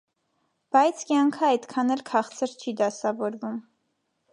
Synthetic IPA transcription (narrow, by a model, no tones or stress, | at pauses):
b̥ɑjt͡sʰkjɑŋkʰəɑjd̪kʰɑnɛlkʰɑχt͡sʰəɾt͡ʃʰid̪ɑsɑvɔɾvum